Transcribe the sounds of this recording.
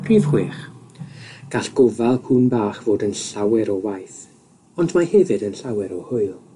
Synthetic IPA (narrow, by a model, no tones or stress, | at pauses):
pʰriːvχweːχ | ɡ̥aɬɡ̥ɔvalˠkʰuːnbaːχv̥oːdənɬawɛɾɔwajθ | ɔndmahɛvɨdənɬawɛɾɔhʊɨlˠ